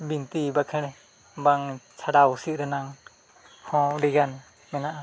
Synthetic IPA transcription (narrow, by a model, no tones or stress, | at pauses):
bint̪ibakʰɛɽ̃ɛ | baŋt͡ʃʰaɽawusiʔ̚ɾɯnaŋ | hɔ̃liɡan | mɛnaʔa